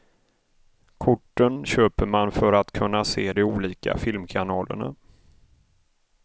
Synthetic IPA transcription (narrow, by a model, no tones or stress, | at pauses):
kʰʊʈːənɕøːpəɾmanfœɾat̪kʰɵnːaseːd̪ɛuːliːka̰fɪlmkʰanɑːlə̰ɳa̰